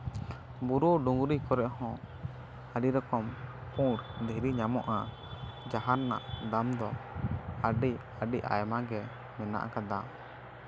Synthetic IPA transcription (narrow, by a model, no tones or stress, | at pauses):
buɾuɖuŋɡuɾikɔɾɛʔɦɔ̃ | aɖiɾɔkɔmpũɾd̪eɾiɲamɔʔa | d͡ʒaɦaɾna̰ʔd̪amd̪ɔ | aɖi | aɖiʔa̰jmaɡɛ | mɛna̰ʔa̰kad̪a